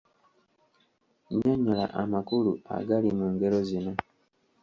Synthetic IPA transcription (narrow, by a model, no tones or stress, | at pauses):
ɲaɲula̰ʔamakulua̰ɡalimuːŋɡeɾo̞zino